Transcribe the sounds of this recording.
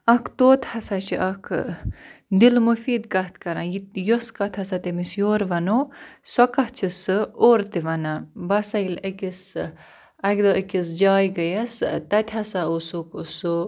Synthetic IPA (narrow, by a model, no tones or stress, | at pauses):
ɐkʰt̪oːt̪ʰhɐsat͡ʃʰiʔɐkʰ | d̪ilmufiːd̪kɐt̪ʰkɐɾãjijoskɐt̪ʰɐsat̪emisjoːɾʋɐnoːsɔkɐht͡ʃʰisɨoːɾt̪iʋɐnabɐsɐilɐkis | ɐkd̪oɐkʲis̬d͡ʒaːjɡɐjɐst̪ɐt̪ʰʲɦɐsaosukuso